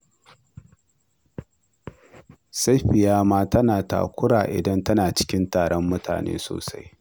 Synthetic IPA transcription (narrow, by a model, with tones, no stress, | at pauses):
sa˦jɸɪ˨jaː˦maː˦tɐ˦naː˨ta̰ː˨kʷʊ˦ɽaː˨ʔɪ̰˨dɐ˦ntɐ˦naː˨t͡ʃɪ̥˦kʲɪ˦ntaː˨ɽɔ˦mːʊ˦ta̰ː˨nḛː˦so̰ː˨sa̰˦j